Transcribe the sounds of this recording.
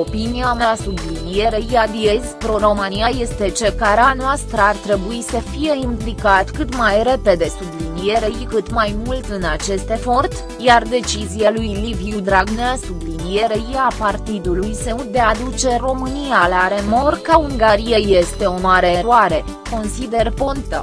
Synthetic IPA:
opinijameasublinije̞ɾeijad̪ijezpɾoɾo̞mɨniaje̞st̪e̞t͡ʃe̞rkaɾeanoast̪ɾəart̪ɾe̞buisəfije̞implikat̪kɨt̪majɾe̞pe̞d̪e̞sublinijeɾeikɨt̪majmult̪ɨnat͡ʃe̞st̪e̞fo̞rt̪ | jard̪e̞t͡ʃizijalujlivjud̪ɾaɡnasublinijeɾeijapart̪id̪ulujseut̪̚d̪e̞ad̪ut͡ʃe̞ro̞mɨnijalaɾe̞mo̞rkauŋɡaɾijeje̞st̪e̞o̞maɾe̞ːɾuaɾe̞ | ko̞nsid̪e̞rpont̪ə̰

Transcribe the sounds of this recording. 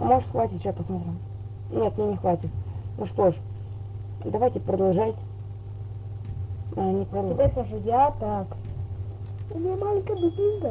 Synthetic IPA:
moʐɨt̪xvatʲɪt̪ʲt͡ʃapəsmot̪ɾʲɪ | nʲet̪mʲenʲɪxvatʲɪt̪̚nuʂt̪oʂ | d̪ɐvajtʲɪpɾəd̪ɐlˠʐatʲ | anʲɪpɾəd̪venəʐɨjat̪aks | ʊmʲɪnʲamalʲɪŋʲkəjbʊd̪ʲiŋɡə

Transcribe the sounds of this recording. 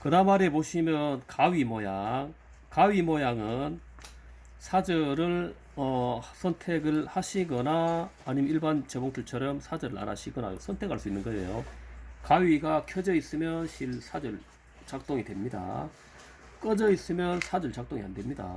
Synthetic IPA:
kɯnamaɾe̞poɕʰimjʌnkaɥimojaŋ | kaɥimojaŋɯn | sʰad͡ʑɯɾɯɭ | ʌsʰʌntʰe̞ɡɯɭhaɕʰiɡʌnaːɲimʌniɭbant͡ɕeboŋtʰɯɭt͡ɕʰʌɾʌmsʰad͡ʑɯɾɯɾa̰na̰ɕʰiɡʌna̰josʰʌntʰekʰhaɭs͈uinːɯnɡʌejokaɥiɡakʰjod͡ʑʌis͈ɯmjʌnɕʰiɭsʰad͡ʑɯɭ | t͡ɕak̚t͈oŋidwe̞mɲida̰ | k͈ʌd͡ʑʌis͈ɯmjʌnsʰad͡ʑɯɭt͡ɕak̚t͈oŋḭɦa̰ndwe̞mɲida̰

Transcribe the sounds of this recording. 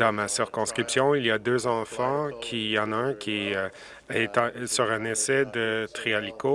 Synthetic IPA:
d̪ãmasiʁkɔ̃skχipsjɔ̃iliad̪øːzɑ̃fɑ̃kʲʰiɑ̃naɛ̃kʲʰi | ɛt̪ɑ̃syʁɛ̃nɛsɛd̪ət̪ʁialiko

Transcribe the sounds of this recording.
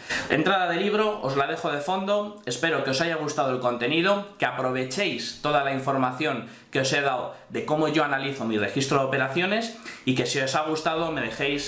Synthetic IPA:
e̞̰nt̪ɾaðaðe̞liβ̞ɾo̞ʔozlaðe̞xo̞ð̞e̞fo̞nd̪o̞e̞spe̞ɾo̞ke̞o̞sajaɣ̞ust̪að̞oelko̞nt̪e̞niðo̞keapɾo̞β̞e̞t͡ʃe̞jst̪o̞ðalaiɱfo̞ɾmaθjo̞ŋ | keo̞se̞ðawðe̞ko̞mo̞ʝo̞analiθo̞mire̞xist̪ɾoðo̞pe̞ɾaθjo̞ne̞sike̞sio̞saɣ̞ust̪aðo̞me̞ðe̞xe̞js

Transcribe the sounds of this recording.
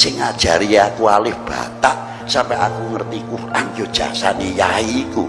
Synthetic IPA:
sɪŋːad̥ʒ̥a̤ɾiakualɪhb̥a̰t̪aʔ | sampɛa̰kuŋərt̪ikuranjod̥ʒ̥a̰sanijaiku

